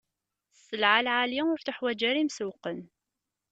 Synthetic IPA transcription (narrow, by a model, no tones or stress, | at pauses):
sːəlʕalʕaliʊɾθəħwæd͡ʒæɾimsuqən